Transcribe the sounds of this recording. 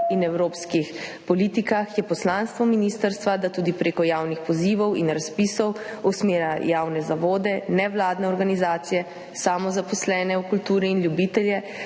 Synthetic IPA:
inɛwɾoːpskixpɔlit̪ikaxjɛpɔslanst̪ʋɔminiːst̪əɾst̪ʋad̪at̪uːd̪ipɾeːkɔjaːwnixpɔziːʋɔwinɾaspiːsɔwusmeːɾajaːwnɛzaʋoːd̪ɛnɛʋlaːd̪nɛɔɾɡanizaːt̪sijɛ | samɔzapɔslɛːnɛukult̪uːɾiːnljubit̪ɛljɛ

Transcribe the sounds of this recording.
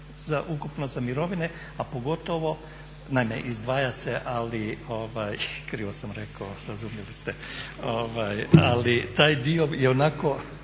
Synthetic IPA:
z̥aʔukupnozamiɾo̞ʋine | apo̞ɡo̞t̪oʋo̞ | naimḛʔizd̪ʋaːjaseʔalioʋajkɾiosamɾekoɾazumjelist̪eoʋajalit̪aːjd̪iojeonako̞

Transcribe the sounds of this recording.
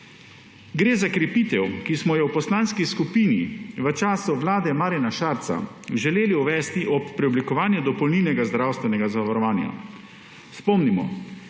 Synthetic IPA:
ɡɾeːzakɾɛpiːt̪ɛwkismɔjɛwpɔslanskiskupiːniʋət͡ʃaːsuʋlaːd̪ɛmaːɾinaʃaɾt̪sa̰ | ʒɛleːliuʋɛːst̪iʔɔpːɾɛɔblikɔʋaːnjud̪ɔpɔwninɛɡazd̪ɾawst̪ʋɛnɛɡazaʋaɾɔʋaːnja̰ | spɔmnimɔ̰

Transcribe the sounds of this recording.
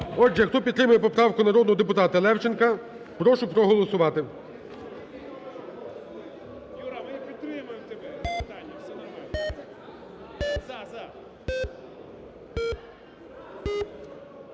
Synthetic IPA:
ɔd͡ʒɛxt̪ɔpʲid̪t̪ɾɪmʊjɛpɔpɾɑwkʊnɐɾɔd̪nɔɦɔd̪ep̬ʊt̪ɑt̪ɐlˠɛwt͡ʃenkɐ | pɾɔʃʊpɾɔɦɔlˠɔsʊʋɑt̪ɪ | pʲit̪ɾɪmʊt̪ɛt̪alʲɐsɛnɐ

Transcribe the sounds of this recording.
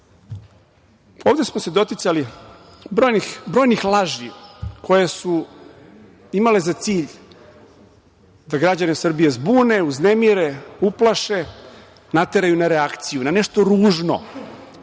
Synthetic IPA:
oːʋd̪e̞smose̞d̪o̞t̪it̪sali | bɾoːjnixbɾo̞ːjnixlˠaʒikʰo̞jesu | imale̞zat̪siːʎ | d̪aɡɾad͡ʑanesr̩bijezbuːne̞uznemiɾeuplˠaʃe̞ | nat̪e̞ɾajunaɾeakt̪sijunaneʃt̪o̞ɾuːʒno̰

